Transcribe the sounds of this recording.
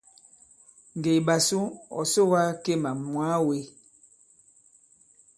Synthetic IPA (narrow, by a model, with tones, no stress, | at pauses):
ŋ˨ɡe˨ba˨su˦ɔ̰˨so˦wa˦ke˦˨ma˨mwa˨˦we˦